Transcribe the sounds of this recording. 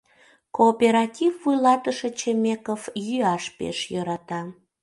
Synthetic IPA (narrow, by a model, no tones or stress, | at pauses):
koːpeɾɑtʲivːujlɑt̪əʃet͡ɕemekofjyɑʃpḛʃjøɾɑt̪ɑ